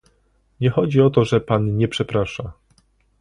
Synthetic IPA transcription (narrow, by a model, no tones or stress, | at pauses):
ɲɛxɔd͡ʑiɔt̪ɔʐɛpanɲɛpʂɛpɾaʂa